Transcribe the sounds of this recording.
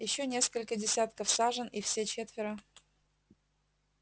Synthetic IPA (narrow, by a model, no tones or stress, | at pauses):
jɪɕːonʲe̞skəlʲkədʲɪsʲat̪kəfsaʐənifsʲet͡ɕet̪vʲɪɾə